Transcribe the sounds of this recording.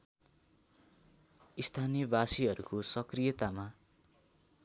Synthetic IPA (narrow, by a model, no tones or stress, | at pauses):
ist̪ʰanijʌbasiɦʌɾukosʌkrijʌt̪ama